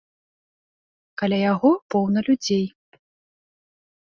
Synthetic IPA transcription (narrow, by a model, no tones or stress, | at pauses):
kalʲajaɣɔpɔwnɐlʲud͡zʲej